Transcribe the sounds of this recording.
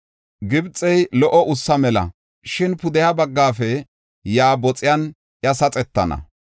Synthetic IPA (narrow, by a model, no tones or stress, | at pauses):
ɡɪbt͡sʼɛjlɔʔɔʔʊsːɐmɛlɐ̰ | ʃɪnpʊd̪ɛjabɐɡːaːfɛ | jaːbɔt͡sʼɪjan | jɐsɐt͡sʼɛt̪ːɐnɐ̰